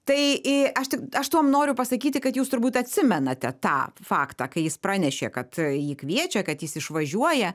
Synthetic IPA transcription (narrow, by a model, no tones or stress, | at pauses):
t̪ɐɪɪɐʃtʲɪkɐʃt̪uɔmnoːɾʲʊpɐsɐkʲiːt̪ʲɪkɐt̪juːst̪ʊɾbuːt̪ɐt̪ʲsʲɪmʲɛnɐt̪ʲɛt̪ɑ̰ːfɑːkt̪ɑːkɐɪjɪspɾɑːnʲɛʃʲḛːkɐt̪jiːkʋʲiɛt͡ʃʲɛkɐt̪jɪsɪʃʋɐʒʲuɔjɛ